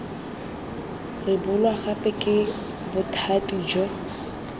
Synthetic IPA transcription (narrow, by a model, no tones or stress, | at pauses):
rɪbʊlwaχapʼɛkʼɪ | bʊtʰatʼid͡ʒɔ